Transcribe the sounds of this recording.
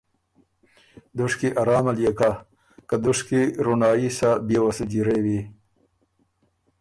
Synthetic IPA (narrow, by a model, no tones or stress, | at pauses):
d̪ʊʂkiʔaɾɑːmaljeka | kad̪ʊʂkiɾunɑːisabewasəd͡ʒiɾewi